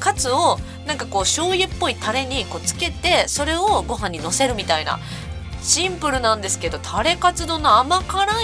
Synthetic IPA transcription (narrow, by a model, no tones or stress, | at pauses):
kat͡sɨo̞ | nãŋkako̞ːɕo̞ːjepːo̞it̪aɾe̞ɲ̟iko̞ːt͡sɨ̥ke̞t̪e̞so̞ɾe̞o̞ɡo̞ɦãɲ̟ːino̞se̞ɾɯ̟mʲit̪aina̰ | ɕĩmpɯ̟ɾɯ̟nãnd̪e̞sɨ̥ke̞d̪o̞t̪ʰaɾe̞kat͡sɨd̪o̞ːnoamakaɾa